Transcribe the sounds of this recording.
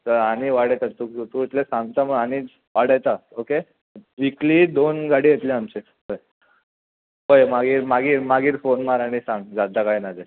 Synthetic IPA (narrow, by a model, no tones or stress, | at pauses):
t̪əɾaɽ̃iʋaɽajt̪at̪ukt̪uit̪lesãŋɡt̪aməɭañi | ʋaɽajt̪aoke | ʋiklid̪onɡaɽiːjet̪lĩamt͡ɕe | ɦoj | ɦojmaɡiːɾmaɡiːɾmaɡiːɾfonmaɾaɽ̃isãŋɡd͡zad̪akajnad͡ze